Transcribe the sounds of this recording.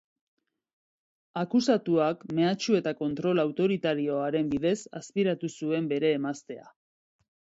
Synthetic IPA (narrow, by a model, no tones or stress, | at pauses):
akusat̪uakme̞at͡ʃue̞t̪ako̞nt̪ɾo̞lawt̪o̞ɾit̪aɾio̞aɾe̞mbiðe̞sa̰spiɾat̪usue̞mbe̞ɾe̞ːmast̪e̞a̰